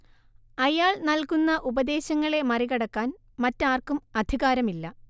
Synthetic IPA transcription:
ɐjaːɭnɐlkunːɐʔubɐd̪e̞ːɕɐŋːɐɭe̞mɐriɣɐɽɐkːaːn | mɐtːaːrkumɐd̪ʱiɣaːɾɐmilːɐ

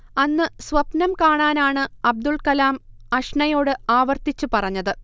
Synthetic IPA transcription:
ɐnːɨsʋɐpnɐmkaːɳaːnaːɳɨɐb̚d̪uɭkɐlaːm | ɐʂɳɐjo̞ːɽɨaːʋɐrt̪it͡ɕːupɐrɐɲːɐðɨ

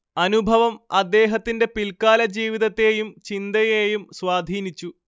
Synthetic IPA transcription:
ɐnubʱɐʋɐmɐd̪ːe̞ːɦɐt̪ːinde̞pilkaːlɐd͡ʑiːʋiðɐt̪ːe̞ːjumt͡ɕind̪ɐjeːjumswaːd̪ʱiːnit͡ɕːu

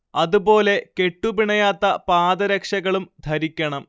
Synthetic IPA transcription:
ɐðubo̞ːle̞ke̞ʈːupiɳɐjaːt̪ːɐpaːd̪ɐɾekʂɐɣɐɭumd̪ʱɐɾikʲːɐɳɐm

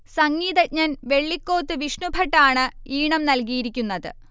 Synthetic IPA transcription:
sɐŋːiːðɐɲɐnʋe̞ɭːikːo̞ːt̪ːɨʋiʂɳubʱɐʈːaːɳɨiːɳɐmnɐlk̬ijiɾikʲːunːɐðɨ̰

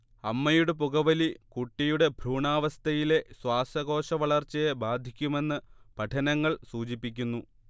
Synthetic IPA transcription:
ɐmːɐjuɽe̞puɣɐʋɐlikuʈːijuɽe̞bʱɾuːɳaːʋɐst̪ʰɐjile̞swaːsɐɣo̞ːʂɐʋɐɭɐrt͡ɕːɐjebaːd̪ʱikʲːume̞nːɨpɐʈʰɐnɐŋːɐɭsuːt͡ɕipːik̬ʲːunːu

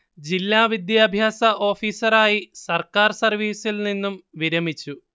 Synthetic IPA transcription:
d͡ʑilːaːʋid̪jaːbʱjaːsɐʔo̞ːfiːsɐɾaːjisɐrkaːrsɐrʋiːsilninːumʋiɾɐmit͡ɕːu

